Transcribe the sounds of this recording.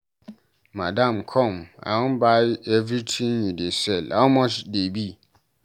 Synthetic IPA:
mãdãmkʰɔ̃mã̰wʊ̃nbaɪɛvɾitʰĩŋjidesɛla̰mɔ̃sdebi

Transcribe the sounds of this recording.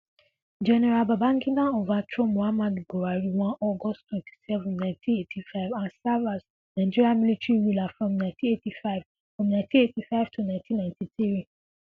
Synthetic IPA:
d͡ʒɛnɛɹalbabãŋɡĩdãovatɹomoamadboɾaɹiwãnɔɡɔsttwɛ̃nti̥sɛvũnnãɪ̃ntʰĩnetʰifaɪvãnsavas | naɪd͡ʒiɹiamilitɹiɹulafɹɔ̃mnãɪ̃ntĩetifaɪv | fɹɔ̃mnãɪ̃ntĩetifaɪv̥tʰunãntʰĩnːãɪ̃ntĩθiɹi

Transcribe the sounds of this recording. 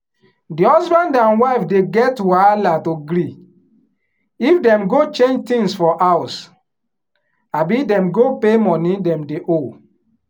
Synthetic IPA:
dihɔsbãndãnwaɪfdeɡɛtwalatoɡɾi | ifdɛ̃mɡot͡ʃẽnd͡ʒtĩŋsfɔʔaʊs | abidɛ̃mɡopemɔ̃nĩdɛ̃mdeʔo

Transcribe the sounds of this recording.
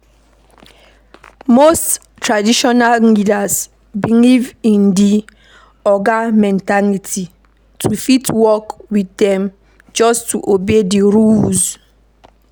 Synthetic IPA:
most | tɹadiʃɔnallidas | bilivĩndi | ɔɡamɛ̃ntalitʰi | tʰufitwɔkwiθdɛ̃m | d͡ʒɔstuʔobediɹulz

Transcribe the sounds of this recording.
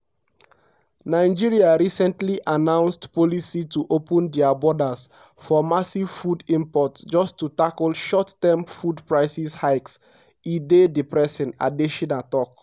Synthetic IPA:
naɪd͡ʒiɹiaɹisɛ̃ntliʔanãʊ̃nstpɔlisituʔopə̃ndɛabɔdas | fɔmasiv̥fudĩmpɔtd͡ʒɔstutakɔlʃɔtːɛmfudpɹaɪsishaɪks | idedipɹɛsɛ̃na̰diʃɔ̃natɔk

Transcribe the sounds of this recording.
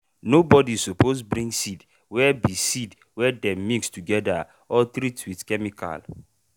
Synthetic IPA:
nobɔdisuposbɾĩŋsid | wɛbisid | wɛdɛ̃mmikstuɡɛda | ɔtɾitwiθkɛmikʰa̰l

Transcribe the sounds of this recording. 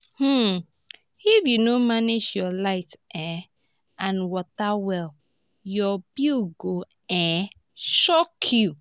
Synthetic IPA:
h̩ | ifjunomaned͡ʒjɔlaɪtʔɛ̃ | ãnwɔtawɛl | jɔbiɡo | ɛ̃ | ʃɔkʰju

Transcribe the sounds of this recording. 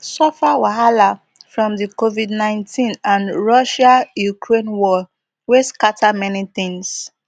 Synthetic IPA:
sɔfawaɦala | fɹɔ̃mðikovidnãɪ̃ntʰĩnãnɹɔʃajukʰɹẽnwɔ | weskatʰamɛniθĩŋs

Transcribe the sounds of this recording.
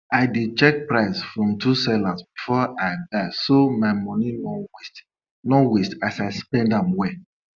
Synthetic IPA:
aɪdit͡ʃɛk̚pɹaɪsfɹɔ̃mtʰusɛlasb̚ifɔadasomaɪmɔ̃ninɔwt | nɔwestasaɪspɛ̃ndãmwɛ

